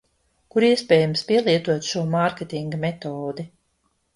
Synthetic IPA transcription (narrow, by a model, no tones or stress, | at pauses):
kuɾiɛspʲɛːjamspʲiɛlˠiɛt̪uɔt̪ʃuɔmaɾkʲet̪iŋɡamɛt̪ɔːd̪i